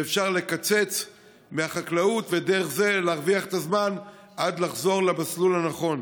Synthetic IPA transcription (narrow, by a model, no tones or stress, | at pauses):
efʃaʁle̞kat͡se̞t͡s | meaχaklaut̪ve̞de̞ʁe̞χze̞leːʁviaχet̪azman | ʔad̪laχzo̞ʁlabaslulhanaχo̞n